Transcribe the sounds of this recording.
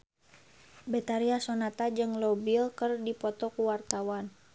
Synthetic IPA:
bɛt̪aɾiasɔnat̪ad͡ʒɨŋlɔbilkərdipɔt̪ɔkuwart̪awan

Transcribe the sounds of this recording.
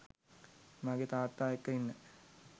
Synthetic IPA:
maɡet̪aːt̪ːaːekːəinːə

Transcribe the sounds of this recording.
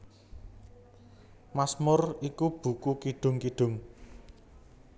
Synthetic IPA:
masmʊrikub̥ṳkukiɖ̥ʊ̤ŋkiɖ̥ʊ̤ŋ

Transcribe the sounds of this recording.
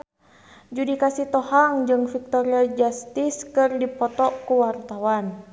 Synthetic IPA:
d͡ʒudikasit̪ɔhaŋd͡ʒɨŋfik̚t̪ɔɾiad͡ʒast̪iskɨrdipɔt̪ɔkuwart̪awan

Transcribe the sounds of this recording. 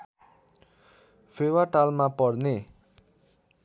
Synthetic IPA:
fʰewaʈalmapʌɽne

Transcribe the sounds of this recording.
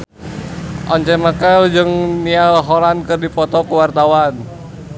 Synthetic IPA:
ʔɔɲt͡ʃɛməkəld͡ʒɨŋnialɦɔlankɨrdipɔt̪ɔkuwart̪awan

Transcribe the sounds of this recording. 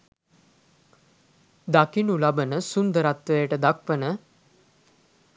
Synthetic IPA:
d̪akinulabənəsund̪əɾat̪ʋəjəʈəd̪akʋənə

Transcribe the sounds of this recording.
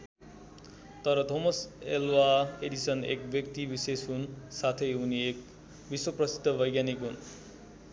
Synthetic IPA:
t̪ʌɾʌt̪omʌselwaeɽisʌnḛk̚bjʌkt̪ibisesɦunsat̪ʰʌjuniek̚ | biswʌprʌsid̪ʱːʌbʌjɡjanikɦun

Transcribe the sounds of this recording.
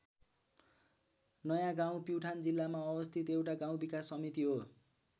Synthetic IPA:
nʌjãɡãw̃piwʈʰand͡zilːamaʌbʌst̪ʰit̪ewʈaɡãw̃bikasːʌmit̪iɦo

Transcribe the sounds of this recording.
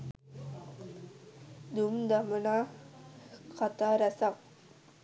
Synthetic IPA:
d̪umd̪amənaː | kat̪aːɾæsak

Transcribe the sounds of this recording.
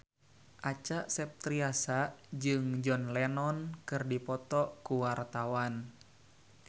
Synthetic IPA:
ʔat͡ʃaʔsɛp̚t̪ɾiasaʔd͡ʒɨŋd͡ʒɔnlɛnɔnkɨrdipɔt̪ɔʔkuwart̪awan

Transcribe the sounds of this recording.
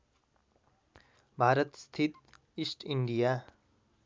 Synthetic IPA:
bʱaːɾət̪st̪ʰit̪ | isʈʰiɳɖija

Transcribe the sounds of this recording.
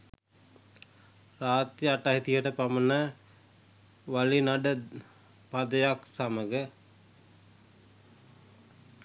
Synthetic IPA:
raːt̪ɾijəaʈaɦit̪ijəʈəpamənə | ʋalinaɖə | pad̪əjaksaməɡə

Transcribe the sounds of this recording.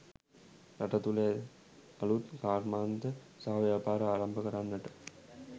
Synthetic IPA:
ɾaʈɐt̪ule | ɐlut̪kaːɾmaːnd̪ə | saɦaʋjaːpaːɾəaːɾɐmbəkəɾanːəʈə

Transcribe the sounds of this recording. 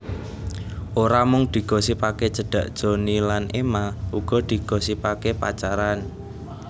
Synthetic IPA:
ʔoɾamʊŋd̪̥i̤ɡ̥ɔ̤sipaked͡ʒ̥ə̤ɖ̥a̤ʔd̥ʒ̥o̤nilanʔemaʔuɡ̥ɔ̤d̪̥i̤ɡ̥ɔ̤sipakepa̰t͡ʃaɾan

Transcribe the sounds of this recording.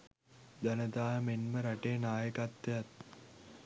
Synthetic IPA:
d̪anəd̪aːɦəmenməɾaʈeːnaːjəkat̪ːejat̪̚

